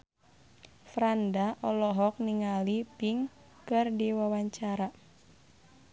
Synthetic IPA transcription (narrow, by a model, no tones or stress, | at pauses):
fɾandaʔɔlɔɦɔk̚niŋalipiŋ | kɨrdiwawaɲt͡ʃaɾa